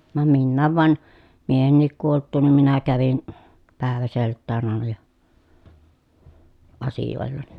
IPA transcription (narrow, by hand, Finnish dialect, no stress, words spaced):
ʋɑm minːæːʋ ʋɑn miehenːik kuoltˑuːn nim minæ kæʋin pæˑeʋæseltːæːn ɑˑenɑ jɑ ɑsijoˑelːɑni